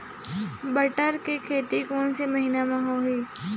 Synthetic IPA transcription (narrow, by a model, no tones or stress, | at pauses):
bəʈəɾkekʰeːt̪ikoːnsemɐɦiːnamãɦoɦiː